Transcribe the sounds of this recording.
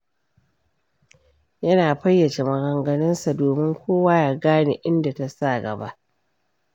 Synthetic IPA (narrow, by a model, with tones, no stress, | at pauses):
jɐ˦naː˨ɸɐ˦jːɐ˨t͡ʃe˨mɐ˨ɡɐ˨ŋɡɐ˨nɐ˦nsa˨doː˨mɪ˦ŋkʷoː˦waː˦jaː˨ɡaː˦nḛ˨ʔɪ˦nda˨ta˨sa˦˨ɡɐ̰˨ba̰˦ʔ